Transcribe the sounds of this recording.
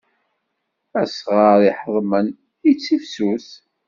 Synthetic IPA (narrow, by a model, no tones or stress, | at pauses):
æsʁəɾˤiħəðˤmən | it͡sːifsuθ